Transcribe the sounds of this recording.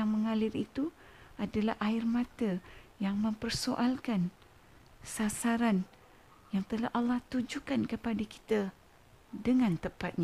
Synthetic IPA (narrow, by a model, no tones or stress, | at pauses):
aŋməŋalɪɾit̪u | ʔadalahʔaɪrmãt̪əjaŋmə̃mpərsoʔalkan | sasaɾan | jaŋt̪əlahʔalːɑht̪ud͡ʒukankəpadaki̥t̪ə | dəŋãnt̪əpat̪̚ɲa